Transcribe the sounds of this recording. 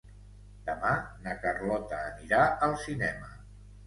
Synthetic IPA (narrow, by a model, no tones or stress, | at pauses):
d̪̥əmanəkərlɔt̪əːniɾaəlˠsinɛmə